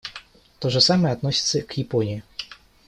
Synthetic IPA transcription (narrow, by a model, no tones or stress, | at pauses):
t̪ɔʐɛsamɛad̪nɔsʲi̥t̪sɛkjɛpɔnʲiji